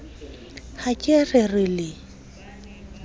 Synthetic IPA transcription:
hakʼerɪrɪlɪ

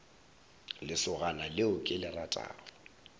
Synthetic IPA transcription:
lɪsʊɣanalɪʊkʼɪlɪratʼa̰ːrʊ

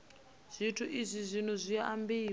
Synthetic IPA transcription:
z̥ʷitʰuʔizʷizʷin̤uzʷijaambiː

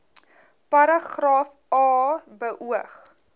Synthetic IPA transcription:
pɐɾɐχrɑːf | ɑːbəʔuəχ

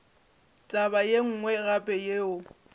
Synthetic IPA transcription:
tʼabajeŋ̩ːŋwɛɣapʼɛjeːʊ

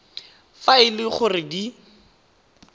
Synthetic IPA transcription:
faɪlɪχʊrɪdi

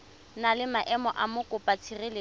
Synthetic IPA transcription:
nalɪmaʔɛmɔʔamʊkʼʊpʼat͡sʰirɪlɪ

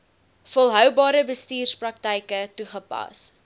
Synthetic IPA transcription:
fɔlˠɦœwbɑːɾəbəstiːrsprɐk̚təjkətuχəpɐ̰s

